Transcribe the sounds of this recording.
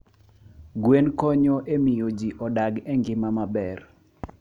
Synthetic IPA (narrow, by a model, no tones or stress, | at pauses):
ɡwenkɔɲɔʔemɪjod͡ʒiʔɔdaɡɛŋɡɪmamabɛr